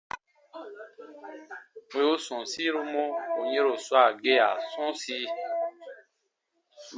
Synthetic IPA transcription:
pu˨o˦sɔ̃˨si˦ɾu˦mõ˦o˨ɲẽ˦ɾo˨swa˨ɡe˦a̰˨sɔ̃˦si˦

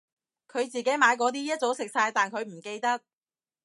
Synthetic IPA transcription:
kʰɵ˨˧ɥt͡siː˨ke˨˥jmaː˨˧jk̬ɔː˨˥t̪̬iː˥jɐ˥t̚t͡so˨˥wsɪ˨k̚saː˧jt̪aː˨nkʰɵ˨˧ɥm̩˨˩ke˧jt̪ɐ˥k̚

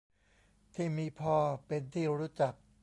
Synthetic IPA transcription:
t̪ʰiː˥˩miː˧pʰɔː˥˩pe˧nt̪ʰiː˥˩ɾuː˦˥t͡ɕa˨˩k̚

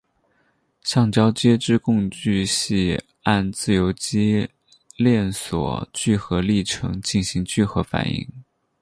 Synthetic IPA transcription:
ɕɑ˥˩ŋt͡ɕjɑ˥ʊt͡ɕjɛ˥ʈ͡ʂɻ̩˥˧kʊ˥˧ŋt͡ɕy˥˧ɕi˥˧ | a˥˧nt͡sɹ̩˥˩jo˧˥ʊt͡ɕi˥ | ljɛ˥˩nswɔ̰˨˩t͡ɕy˥˩xɤ˧˥li˥˩ʈ͡ʂʰɤ̰˧˥ŋt͡ɕi˥˩nɕi˧˥ŋt͡ɕy˥˩xɤ˧˥fa̰˨˩nḭ˥˩ŋ

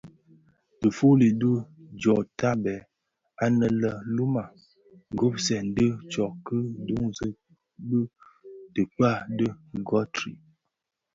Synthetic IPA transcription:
tə˨fu˦li˨də˦d͡ʒɔ˨ta˦bɛ˨ | a˦nə˨lə˦lu˦ma˨ | ŋ˨ɡo˦psɛ˨n̩˨˦də˦t͡ʃɔ˨kə˦du˦ŋzə˦ | bə˦tə˨k͡pa˦˨də˦˨ɡɔ˦tɾḭ˨

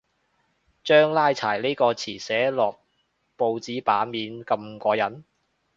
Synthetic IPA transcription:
t͡ʃœː˥ŋlaː˥jt͡sʰa̰ː˨˩jle˥jkɔː˧t͡sʰiː˨˩sɛː˨˥lɔː˨k̚ | po˧wt͡siː˨˥paː˨˥miː˨˧nkɐ˧mkɔː˧jɐ˨˥n

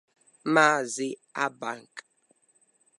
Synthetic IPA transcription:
ma˦zi˦a˦ba˦˨ŋ˨k

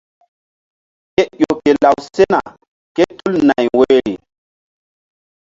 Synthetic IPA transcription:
ke˦jʲo˨ke˨la˨wse˦na̰˨ | ke˦tu˦lna˨jwe˨˦ɾi˨

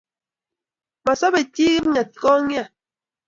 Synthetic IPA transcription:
ma˨sɔ˦be˨ti˦ɣi˦p̚ɲɛ˨t̚kɔ˦ŋja˦˨

